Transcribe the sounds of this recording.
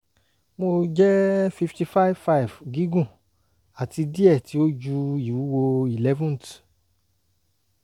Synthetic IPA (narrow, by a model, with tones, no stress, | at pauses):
mo˧d͡ʒɛ˦fi˧fti˧fa˦vfa˦i˨vɡi˦ɡũ˦˨ | a˨ti˧di˦ɛ˦˨tʰi˨˦o˦d͡ʒu˧i˨wu˨˦wo˧i˨lɛ˦vũ˦˨t